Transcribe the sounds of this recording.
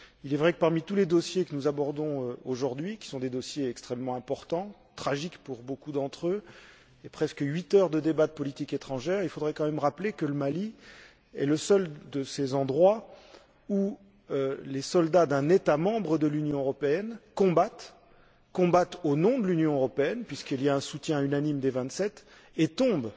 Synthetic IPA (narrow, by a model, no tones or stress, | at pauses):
ilɛvʁɛkə̥paʁmit̪uled̪ɔsjekənuzabɔʁd̪ɔ̃øoʒuʁd̪ɥikʲi̥sɔ̃d̪ed̪ɔsjeɛkst̪χɛmːɑ̃ɛ̃pɔʁt̪ɑ̃ | t̪χaʒikpuʁbokud̪ɑ̃t̪χø | epχɛskəɥit̪œʁd̪əd̪ebad̪əpɔlit̪iket̪χɑ̃ʒɛʁilfod̪ʁɛkɑ̃mɛmʁaplekələmali | ɛ̰ləsœld̪əsezɑ̃d̪ʁwa | u | ølesɔld̪ad̪ɛ̃net̪amɑ̃bʁəd̪əlynjɔ̃øʁɔpeɛnkɔ̃bat̪ | kɔ̃bat̪onɔ̃d̪əlynjɔ̃øʁɔpeɛnpɥiskiljaɛ̃sut̪jɛ̃ynanimd̪evɛ̃t̪sɛt̪ | et̪ɔ̃b